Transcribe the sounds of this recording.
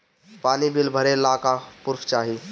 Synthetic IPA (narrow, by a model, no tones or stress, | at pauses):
paːnibʱilbʱəɾelaːkapʊɾfʰt͡ʃaːɦi